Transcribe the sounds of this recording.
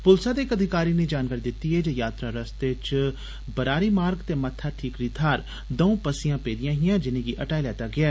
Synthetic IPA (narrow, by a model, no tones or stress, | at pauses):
pʊlsaːd̪eːɪkəd̪ʱɪkaːɾiːneːd͡ʒaːnkaːɾiːd̪ɪt̪ːiːeːd͡ʒeːjaːt̪ɾaːɾəst̪et͡ʃ | bəɾaːɾiːmaːɾɡt̪eːmət̪ʰːaːʈʰiːkɾit̪ʰaːɾ | d̪əũːpəsijãːpeːd̪ɪjãːɦɪjãːd͡ʒɪnẽːɡiːʔəʈaːilɛːt̪aːɡɪaː